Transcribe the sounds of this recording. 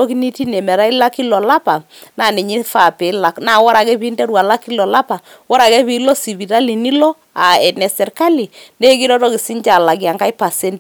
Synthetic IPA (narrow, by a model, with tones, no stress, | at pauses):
ɔ˦ki˦ni˦ti˦nɛ˨mɛ˨ɾa˦i˦la˦ki˦lɔ˨la˦pa˨ | na˦˨ni˨ɲi˦fa˦˨pɛ˨˦la˨kna˦˨wɔ˦ɾa˨kɛ˦pi˦ndɛ˦ɾwa˨la˦ki˦lɔ˨la˦pa˨ | wɔ˦ɾa˨kɛ˦pi˨˦lɔ˦si˨βi˨ɾa˦li˨ni˦lɔ˦ | a˨ɛ˨nɛ˨sɛ˨ɾka˦li˨ne˦ki˦ɾɔ˦tɔ˦ki˨si˦ɲt͡ʃa˨la˨kja˨ŋka˦jpa˨sɛ˦nt